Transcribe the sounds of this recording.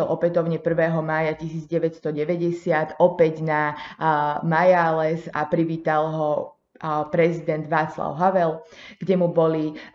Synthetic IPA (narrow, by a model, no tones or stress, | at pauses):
ɛlʔɔpɛt̪ɔʊɲɛpr̩ʋɛːɦɔmaːjacisiːd͡zɟɛʋɛcst̪ɔɟɛʋɛɟɛsɪat̪ɔpɛɟna | majaːlɛsa̰pɾiʋiːt̪alɦɔ | pɾɛzid̪ɛnd̪ʋaːt͡sla̰ʊɦaʋɛlɡ̥ɟɛmubɔli